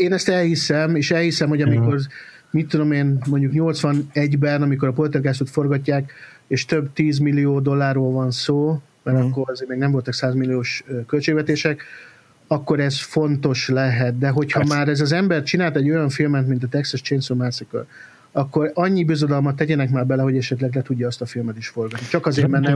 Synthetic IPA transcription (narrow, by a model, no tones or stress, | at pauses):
eːnɛst̪ɛlhisɛmeːʃɛlhisɛmho̞ɟɒmiko̞r | mit̪ːud̪o̞meːnmo̞ɲɟukɲo̞lt̪sʋɒnɛɟbɛnɒmiko̞ɾɒpolt̪erɡaːsoːt̪fo̞rɡɒcːaːk | eːʃt̪øbt̪iːzmilːijoːd̪o̞lːaːrːoːlvɒnsoː | mɛɾɒkːo̞ɾɒzeːɾmeːɡnɛɱvo̞lt̪ɒksaːzmilːijoːʃkølt͡ʃeːɡvɛt̪eːʃɛk | ɒkːo̞ɾɛsfo̞nt̪o̞ʃlɛɦɛt̪̚d̪ɛɦo̞chɒmaːɾɛzɒzɛmbɛrt͡ʃinaːlt̪ɛɟːo̞jɒɱfilmɛt̪mint̪ɒt̪ɛksɛʃt͡ʃensomasɛkø̰l | ɒkːo̞ɾɒɲːibøzod̪ɒlmɒt̪ːɛɟɛnɛkmaːrbɛlɛɦo̞ɟɛʃɛt̪lɛɡlɛt̪uɟːɒːst̪ɒfilmɛt̪iʃfo̞rɡɒt̪nit͡ʃɒkɒzeːrmɛnɛ